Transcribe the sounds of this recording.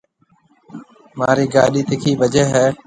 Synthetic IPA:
maːɾiːɡaːɗiːt̪ɪkʰiːʋəd͡ʒeːɦɛː

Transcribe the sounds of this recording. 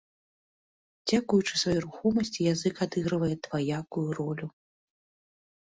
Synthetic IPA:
d͡zʲakujut͡ʂɨ̥svajɔɾuxɔmɐsʲt͡sʲijazɨkad̪ɨɣɾɨvɐjɛt̪vajakujurɔlʲu

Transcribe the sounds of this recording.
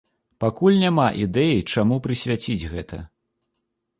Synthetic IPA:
pakulʲnʲamaʔid̪ɛjit͡ʂamupɾɨsʲvʲat͡sʲid͡zʲɣɛt̪ʰɐ

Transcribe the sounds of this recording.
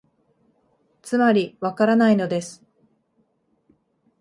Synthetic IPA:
t͡sɨmaɾʲiβakaɾanaino̞d̪e̞sɨ̥

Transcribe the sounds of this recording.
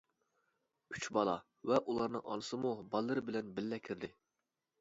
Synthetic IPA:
yt͡ʃbɑlˠɑ̰ | vɛʔulˠɑɾnɨ̰ŋʔɑ̰nɨsɨmubɑlˠːɨɾɨbɪlɛnbɪlːɛkʲʰɪɾd̪ɪ

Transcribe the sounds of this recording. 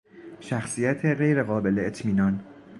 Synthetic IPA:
ʃæxsiːjæt̪ʰeɣe̞jɾe̞ɣɒːbe̞le̞et̪ʰmiːnɒːn

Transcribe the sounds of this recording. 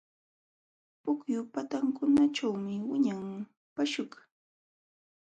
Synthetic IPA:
pʊkjʊpat̪aŋkʊnaʈ͡ʂawmɪwɪɲaŋ | paʃʊk

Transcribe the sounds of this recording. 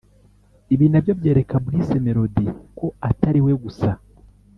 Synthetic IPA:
iβiːnabjobje̞ːɾe̞kaβuɾise̞meɾo̞diko̞ataɾiweɡusa

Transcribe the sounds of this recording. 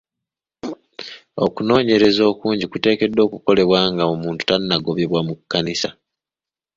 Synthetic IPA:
o̞̰kuno̞ːɲe̞ɾe̞zo̞ːkuːɲɟikute̞ːke̞dːo̞ːkuko̞le̞βwaːŋɡaomuːntu̥tanːaɡo̞βjeβwamukːanisa

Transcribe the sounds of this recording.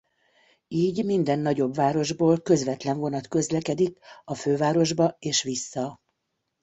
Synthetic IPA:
iːɟmind̪ɛnːɒɟo̞bvaːɾo̞ʒboːlkø̞zvɛt̪lɛɱvo̞nɒt̪kø̞zlɛkɛd̪ikɒføːvaːɾo̞ʒbɒeːʃʋisːɒ

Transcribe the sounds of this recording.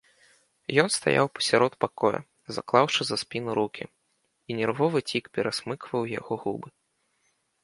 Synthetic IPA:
jɔnst̪a̰ja̰wpɐ̥sʲaɾɔt̪pakɔjɐ̰ | za̰klˠawʂɨzɐspʲinuɾukʲḭ | inʲɛrvɔvɨt͡sʲikpʲɛɾasmɨkvɐwja̰ɣɔɣubɨ

